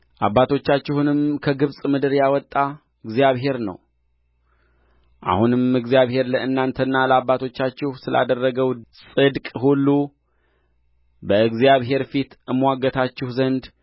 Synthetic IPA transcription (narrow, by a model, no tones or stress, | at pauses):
ʔaβːat̪ʰo̞t͡ʃːat͡ʃːɪhunɨmkʰəɡɨβsʼmɨd̪ɨɾjawɔt̪ʼːa | ɨɡzijaβɦe̞ɾnə̰w | ʔa̰hunɨmmɨɡzijaβhe̞ɾləʔɨnːant̪ʰənːaləabːat̪ʰo̞t͡ʃːat͡ʃːɪhsɨlʔa̰d̪ərːəɡəwsʼɨd̪kʼɦulːu | bəɨɡzijaβɦe̞ɾfit̪ɨmwaɡːət̪ʰat͡ʃːɪhzənd̪